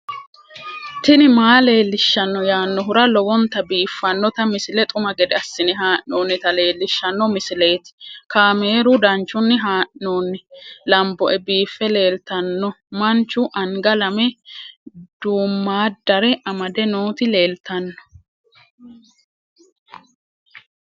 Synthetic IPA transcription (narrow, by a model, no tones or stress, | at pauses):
t̪ɪnɪmaːle̞ːlːɪʃːɐnːɔjaːnːɔɦʊɾɐlɔwɔnt̪ːɐbiːfːɐnːɔt̪ɐmɪsɪlɛt̪ʼʊmɐɡɛd̪ɛɐsːɪnɪɦaːʔnoːnːɪt̪ɐle̞ːlːɪʃːɐnːɔmɪsɪle̞ːt̪ɪ̥kaːme̞ːɾʊd̪ɐnt͡ʃːʊnːɪɦaːʔnoːnːɪlɐmbɔʔɛbiːfːɛle̞ːlt̪ɐnːɔ | mɐnt͡ʃːʊʔɐŋɡɐlɐmɛ | d̪̥uːmːaːd̪ɐɾɛʔɐmɐd̪ɛnoːt̪ɪle̞ːlt̪ɐnːɔ̥